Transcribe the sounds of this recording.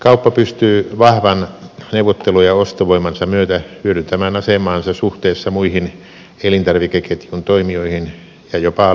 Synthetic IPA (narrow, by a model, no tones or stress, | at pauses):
kɑupːɑpyst̪yːʋɑhʋɑnneuʋˑot̪ːelujɑost̪oʋoimɑnsɑmyøt̪æhyøɾynt̪æmæːnɑsemˑɑːnsɑsuht̪eːsːɑmuihin | elint̪ɑrʋikeket̪junt̪oimioihin | jɑjopɑˑ